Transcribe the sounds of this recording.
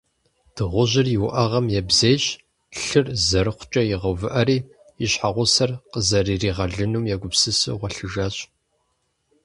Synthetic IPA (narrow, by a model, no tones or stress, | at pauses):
d̥ɨʁʷʊʑɪrjɪwʊʔɐʁɐmjɛbzeːjɕ | ɬɨrzɐɾɨχʷt͡ʃʼɐjɪʁɐvɨʔɐɾiː | iɕħaʁʷʊsɐrqəzɐriːriːʁɐɮɨnuːmjɛɡʷʊpsɨsɨ̰ʁʷɔɬɨʒaːɕʼ